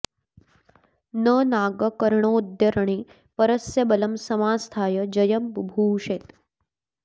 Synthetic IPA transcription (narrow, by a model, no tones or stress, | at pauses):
nənaːɡɐkɐɾɳoːd̪jɐɾɐɳ̃i | pɐɾɐsjɐbɐlɐmsɐmaːst̪ʰaːjɐd͡ʒɐjɐmbubʱuːʃeːt̪